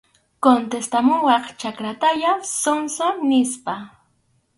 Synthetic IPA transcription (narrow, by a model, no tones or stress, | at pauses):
kont̪est̪amʊwɑχt͡ʃakɾat̪aʎasonsonɪspa